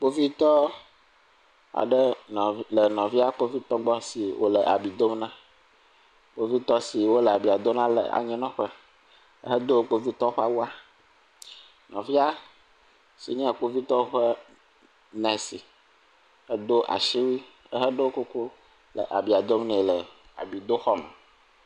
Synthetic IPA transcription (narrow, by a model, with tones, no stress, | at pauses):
k͡po˦vi˦t̪ɔ˦ | a̰˨ɖə˦ñ˨lə˨nɔ̃˨vi˦a˦k͡po˦vi˦t̪ɔ˦ɡ͡bɔ˦si˨wo̰˦lə̰˨ʔa̰˨bi˨d̪o˦mnã˦ | k͡po˦vi˦t̪ɔ˦si˨wo˦lə˨a˨bi˨a˨d̪o˦nã˦lə̰˨a̰˨ɲɛ̃˦nɔ̃˦ɸə˦ | ə̰˦ɦə˦d̪o˦k͡po˦vi˦t̪ɔ˦ɸa˦wu˦a˦ | nɔ̃˨vi˦a˦ | sḭ˨ɲɛ̃˦a˨k͡po˦vi˦t̪ɔ˦ɸə˦ | nɛ̃˨si˨ | ə˦d̪o˦ʔa̰˨ʃi˦wi˦ | ə˦ɦə˦ɖe˦o˦ko˦ko˦ | lə̰˨ʔa˨bi˨a˨d̪o˦mnɛ̃˨lə˨a̰˨bi˨d̪o˦xɔ˦mɛ̰̃˨